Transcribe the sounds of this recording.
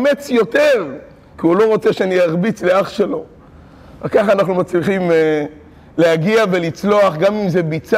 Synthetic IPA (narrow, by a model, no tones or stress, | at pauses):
met͡sjo̞te̞ʁ | kiulo̞ʁo̞t͡seʃeaniaʁbit͡sleaχʃe̞lo | akaχaːnaχnumat͡sliχim | leaɡiave̞lit͡slo̞aχɡamimzebit͡sa